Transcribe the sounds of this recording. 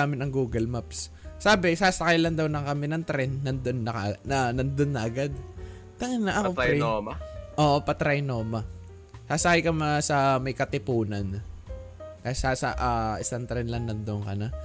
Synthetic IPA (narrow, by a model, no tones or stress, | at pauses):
aːmɪnɐŋɡuːɡɐlmapsː | aːbɪsaːsɐkajlɐnd̪ɐwnɐŋkɐmɛnɐŋt̪ɾɛnːɐnd̪onːɐkɐʔnɐnɐnd̪onːɐʔɐɡad̪̚ | t̪ɐŋanːɐʔɐkoɾɛmʔoːʔopɐt̪ɾɐjnoːmɐ | saːsɐkajkɐmasɐmɐjkɐt̪ɪpuːnɐn | kɐjasasɐʔaɪsɐnt̪ɾɛnlɐŋːɐnd̪oŋkɐna